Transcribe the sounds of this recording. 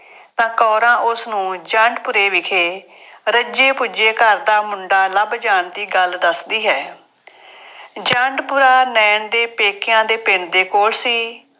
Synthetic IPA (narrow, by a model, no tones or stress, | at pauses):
t̪ãːkɔːɾãːʔʊsnũːd͡ʒaːɳɖpʊɾeːʋɪkʰeː | ɾəd͡ʒeːpʊd͡ʒeːkəɾd̪aːmʊɳɖaːləbd͡ʒaːɳd̪iːɡəld̪əsd̪iːɦɛː | d͡ʒə̃ɳɖpʊɾaːnɛːɳd̪eːpeːkɪjãːd̪eːpɪɳd̪eːkoːlsiː